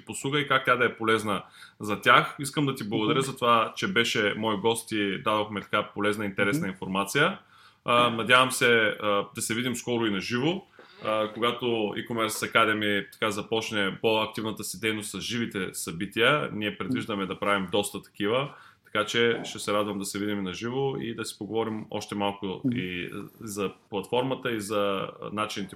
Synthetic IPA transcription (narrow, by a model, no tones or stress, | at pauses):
iposlˠuɡəikak̚t̪ʲad̪ɐɛpolɛznəzɐt̪ʲaxiskəmd̪ɐt̪iblˠɐɡʊd̪ɐɾʲjəzɐt̪ovat͡ʃɛbɛʃɛmɔjɡɔst̪id̪ad̪oxmɛt̪ɐ̥kapolɛznɐint̪ɛɾɛsnɐinfoɾmat̪sijə | nɐd̪ʲavəmsɛəd̪ɐsɛvid̪imskɔɾʊinɐʒivo | koɡat̪oḭkomɛɾsɐkad̪ɛmit̪ɐ̥kazɐpɔt͡ʃnɛpoɐk̚t̪ivnət̪əsid̪ɛjnost̪sɐzʒivit̪ɛsɐbit̪iəniɛpɾɛd̪viʒd̪əmɛd̪ɐpɾavimd̪ɔst̪ət̪ɐ̥k̟ivə | t̪ɐ̥kat͡ʃɛʃt̪ɛsɛɾad̪vəmd̪ɐsɛvid̪iminɐʒivoḭd̪ɐsi̥poɡovɔɾimɔ̰ʃt̪ɛmalˠkʊizɐplˠɐt̪fɔɾmət̪əizɐ̰nat͡ʃinit̪ɛ